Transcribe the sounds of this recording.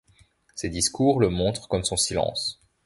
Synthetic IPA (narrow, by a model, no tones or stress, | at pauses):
sed̪iskuʁləmɔ̃t̪χkɔmsɔ̃silɑ̰̃s